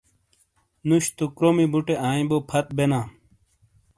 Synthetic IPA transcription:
nuɕt̪okɾomibuʈeʔaːĩbopʰɐt̪̚benãː

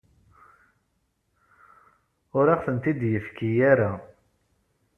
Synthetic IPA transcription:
ʊɾaʁθənt̪id̪jəfkijaɾa

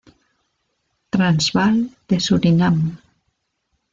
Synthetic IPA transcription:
t̪ɾanzβald̪̥esuɾinam

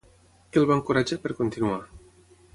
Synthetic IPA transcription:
kelˠβaŋkuɾad͡ʒapəɾkont̪inua

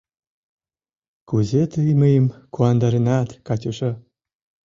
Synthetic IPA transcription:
kuzet̪ɯjməjəmkuɑnd̪ɑɾenɑt̪kɑtʲuʃɤ

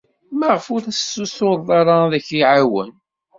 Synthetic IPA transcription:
maʁəfʊɾæsːusoɾðˤɑɾˤɑðæçiʕawə̰n

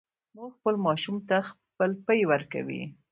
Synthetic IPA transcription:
muɡxpəlmɑʃumt̪ax | pəlpəjwəɾka̰wḭ

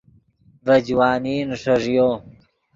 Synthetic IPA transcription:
vɐd͡ʑwaːniːnʂɐʐjoː

